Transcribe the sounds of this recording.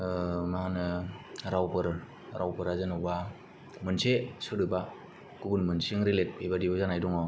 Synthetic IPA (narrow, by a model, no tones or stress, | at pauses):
maɦanɯɾawpɯɾ | ɾʔawpɯɾazɯnɔwba | mɯnsesɯɾɯba | ɡubunmɯnsiŋɾilet̚pʰejbadibazanajdɔŋɔ